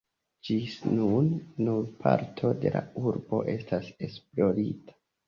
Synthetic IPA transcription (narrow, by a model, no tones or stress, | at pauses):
d͡ʒisnunːuɾpʰa̰ɾtʰo̞de̞la̰uɾbo̞ʔe̞stase̞splo̞ɾitḁ